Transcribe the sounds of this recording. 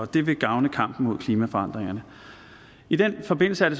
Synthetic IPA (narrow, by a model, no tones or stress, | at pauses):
ɒ̽d̥e̝ʋe̝ɡ̥ɑ̈ʊnəkʰɑ̈m̰b̥n̩mo̝ð̰ˠkʰliːmæfɒ̽ɑ̈n̰d̥ʁeŋɐnə | id̥enfɒ̽b̥e̝n̰l̩səæɐɾe̝s